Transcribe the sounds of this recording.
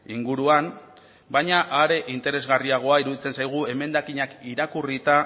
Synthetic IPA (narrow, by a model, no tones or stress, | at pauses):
iŋɡuɾuan | bajɲaʔaɾe̞ʔint̪e̞ɾe̞zɣariaɣ̞o̞aiɾuðit͡se̞nsajɣ̞ue̞me̞nd̪akiɲakiɾakurit̪a